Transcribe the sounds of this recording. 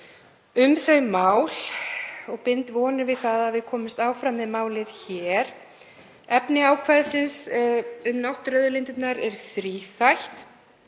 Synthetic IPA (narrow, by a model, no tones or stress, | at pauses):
ʏmθœɥmaːwl̥ɔɣpɪnt̪vɔːnɪvɪðθaðaðvɪðkʰɔːmɪst̪aːwfɾamːɪðmaːwlɪðçɛːɾ̥ | ɛpnɪaːwkʰvaðsɪnsʏmnawht̪ɾœðʏlɪnt̪ɪt̪naɾɛɾ̥θɾiːθajht̪